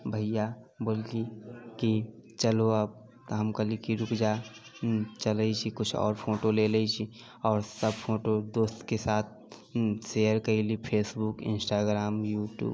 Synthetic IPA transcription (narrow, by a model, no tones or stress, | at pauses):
bʱəijaboːlkikit͡ʃəloəb̚ | t̪ɦəmkəlikiɾʊkd͡ʒa | t͡ʃələit͡ʃʰikʊt͡ʃʰɔ̰ːɾpʰoːʈoleːləit͡ʃʰi | ɔːɾsəbfʰoːʈod̪oːst̪kesaːt̪̚ʰsejəɾkɐilipʰeːsbukɪ̰̃nsʈaːɡɾaːmjuːʈjṵːb